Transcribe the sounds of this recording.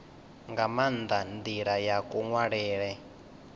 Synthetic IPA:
ŋɡamand̪and̪iɺajakuŋwaɺɛːɺɛ

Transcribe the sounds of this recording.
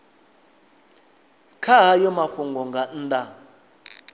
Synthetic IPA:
kʰaɦajɔmaɸuŋɡɔŋɡʱan̩dʼa

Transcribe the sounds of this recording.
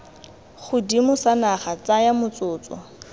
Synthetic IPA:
χʊdimʊsanaχat͡sajamʊt͡sʊːt͡sɔ̰

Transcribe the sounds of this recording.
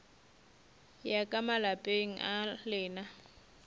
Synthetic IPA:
jakʼamalapʼeŋ̩ʔalɪːna

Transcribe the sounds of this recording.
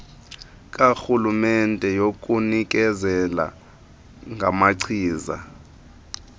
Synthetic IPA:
k̬ʼaxulumɛntʼɛjok̬ʼunik̬ʼɛzɛla̰ | ŋɡʱamaǀʰiːza̰

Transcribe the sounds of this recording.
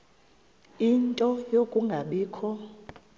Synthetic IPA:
intʼɔjokʼuŋɡʱaɓiːkʰɔ

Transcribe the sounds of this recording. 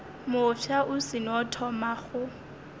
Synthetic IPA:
mʊfaʔʊsɪnɔtʰɔmaχʊ

